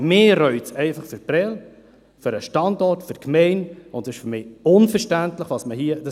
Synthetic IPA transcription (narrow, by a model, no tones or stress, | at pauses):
mɪːɾœʏtsɛɪfɑχfʏɾpɾɛl | fʏɾəʃtɑndɔɾtfʏɾkmɛɪnʊndɪʃfʏɾmɪːʊnfəɾʃtæntləχʋɑsməhiəd̥ɑ